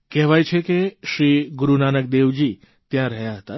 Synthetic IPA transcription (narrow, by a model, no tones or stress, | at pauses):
kɛɦʋajt͡ʃʰekeʃɾiɡuɾunanək̚d̪eʋd͡ʒi | t̪jãɾəɦjaɦət̪a